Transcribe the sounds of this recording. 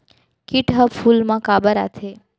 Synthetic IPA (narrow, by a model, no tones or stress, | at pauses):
kiʈɦəpfulmãkabəɾa̰t̪ʰe